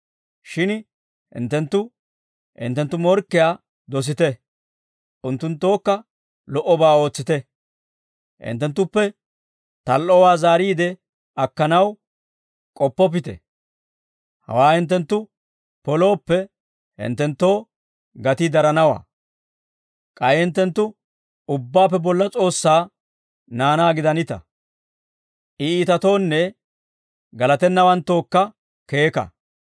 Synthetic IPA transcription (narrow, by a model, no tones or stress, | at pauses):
ʃɪn | hɪ̰nt̪ːɛnt̪ːʊ | ʔɪ̰nt̪ːɛnt̪ːʊmɔɾkːɪjaː | d̪ɔs̬ɪt̪ɛ | ʔʊnt̪ːʊnt̪ːo̞ːkːɐ | lɔʔɔbaːo̞ːt͡sːɪt̪ɛ | ʔɪ̰nt̪ːɛnt̪ːʊpːɛ | t̪ɐlʔɔwaːzaːɾiːd̪ɛ | ɐkːɐnɐw | kʼɔpːɔp̬ɪt̪ɛ̰ | hɐ̰waːhɪnt̪̬ːɛnt̪ːʊ | pɔlo̞ːpːɛ | hɪ̰nt̪ːɛnt̪ːo̞ː | ɡɐt̪ɪd̪ɐɾɐnɐwa̰ː | kʼɐjhɪnt̪ːɛnt̪ːʊ | ʊbːaːpːɛbɔlːɐt͡sʼo̞ːsːaː | naːnaːɡɪd̪ɐnɪt̪ɐ̰ | ʔɪiːt̪ɐt̪o̞ːnːɛ | ɡɐlɐt̪ɛnːɐwɐnt̪ːo̞ːkːɐ | ke̞ːkɐ̰